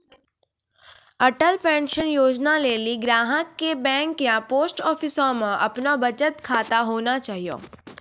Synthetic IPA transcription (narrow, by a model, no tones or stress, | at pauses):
ɐʈəlpɛ̃ːnʃənjoːd͡ʒnaleːliɡɾaːɦəkːebɛ̃ːŋkjãpoːsʈɔːfʰɪsõmə̃ʔɐpnobɐt͡ʃət̪kʰaːt̪aɦoːnat͡ʃaːɦijo̰ː